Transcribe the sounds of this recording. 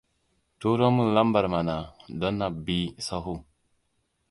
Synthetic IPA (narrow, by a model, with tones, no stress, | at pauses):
to˦ɾo˦mu˨la˦mba˨ɾma˨na˨do˦nːa˨bi˦sa˦ɦu˦